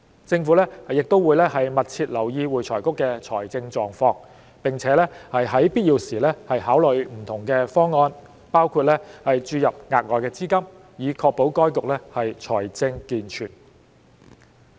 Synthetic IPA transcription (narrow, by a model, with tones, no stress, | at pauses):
t͡sɪ˧ŋfuː˨˥lɛː˥hɐ˨˩jɪ˨k̚t̪o˥wuː˨˧jlɛː˥hɐ˨jmɐ˨t̚t͡sʰiː˧t̚lɐ˨˩wjiː˧wuː˨jt͡sʰɔː˨˩jkʊ˥kːɛː˧t͡ʃʰɔː˨˩jt͡sɪ˧ŋt͡ʃɔː˨ŋfɔː˧ŋ | pɪ˨ŋt͡sʰɛː˨˥lɛ˥hɐ˨jɦɐ˨˥jpiː˥t̚ji˧wsiː˨˩lɛː˥hɐ˨jɦaː˨˥wlɵ˨jm̩˨˩t̪ʰʊ˨˩ŋkɛː˧fɔː˥ŋːɔː˧n | paː˥wkʰuː˧t̚lɛː˥hɐ˨jt͡ʃyː˧jɐ˨p̚ŋaː˨k̚ŋɔː˨˩jkɛː˧t͡siː˥kɐ˥m | jiː˨˧kʰɔː˧k̚po˨˥wkɔː˥jkʊ˨k̚lɛː˥hɐ˨jt͡ʃʰɔː˨˩jt͡sɪ˧ŋkiː˨nt͡ʃʰyː˨˩n